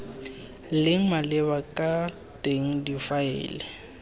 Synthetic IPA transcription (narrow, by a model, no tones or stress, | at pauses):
lɪŋ̩malɪβakʼa | tʼeŋ̩difaɪ̰ːlɪ